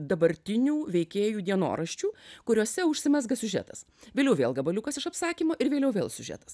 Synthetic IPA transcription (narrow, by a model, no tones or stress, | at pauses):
d̪ɐbɐɾʲt̪ʲɪnʲuːʋʲɛɪkʲeːjuːd̪ʲiɛno̰ːɾɐʃʲt͡ʃʲuːkʊɾʲuɔsʲɛʊʃʲsʲɪmʲɛsɡɐsʲʊʒʲæ̰t̪ɐs | ʋʲeːlʲɛʊʋʲeːlˠɡɐbɐlʲʊkɐsɪʃɐpsɑːkʲiːmoːʔɪɾʋʲeːlʲɛʊʋʲeːlˠsʲʊʒʲæ̰ːt̪ɐ̥s